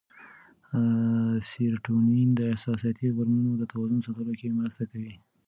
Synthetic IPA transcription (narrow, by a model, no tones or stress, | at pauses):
siɾʈunind̪əɪhsɑsijɑt̪iɣaɾmunod̪ət̪awɑzʊnsat̪əlokemɾəst̪akawi